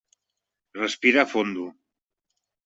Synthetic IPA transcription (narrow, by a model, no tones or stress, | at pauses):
rəspiɾafond̪u